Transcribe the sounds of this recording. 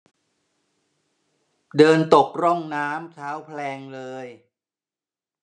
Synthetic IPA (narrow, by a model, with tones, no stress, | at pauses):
dɤː˧nt̪o˨˩k̚ɾɔ˥˩ŋnaː˦˥mt̪ʰaː˦˥wpʰlɛː˧ŋlɤː˧j